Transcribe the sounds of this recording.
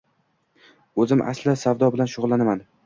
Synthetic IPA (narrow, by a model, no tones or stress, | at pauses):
ɵzɪmʔa̰slɪsawd̪ɒbɪlanʃʊʁlˠːanaman